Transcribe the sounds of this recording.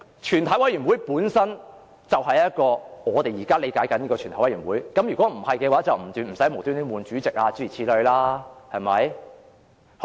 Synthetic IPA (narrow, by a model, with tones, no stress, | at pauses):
t͡ʃʰyː˨nt̪ʰɐ˨˥jwɐ˨˥jɥyː˨˩nwu˨˥jpuː˨˥nsɐ˥n | t͡sɐ˨whɐ˨jɐ˥t̚kɔː˧ŋɔː˨˧t̪e˨jiː˨˩kaː˥le˨˧jkaː˨˥jkɐ˨˥niː˥kɔː˧t͡ʃʰt̪ʰwɐ˨˦jɥːnwuː˨˥jkɐ˨˥mjyː˨˩kɔ˨˦˥m̩˨˩hɐ˨jkɛː˧waː˨˥t͡sɐ˨wm̩˨˩t̪yː˨˧m̩˨˩sɐ˨˦˥jmo˨˩wt̪y˥ni˥muː˨nt͡ʃyː˨˥t͡sɪ˨k̚aː˧t͡syː˧˥i˨˩t͡sʰiː˧˥lɵ˧ɥlaː˥hɐ˨jmɐ˨˥j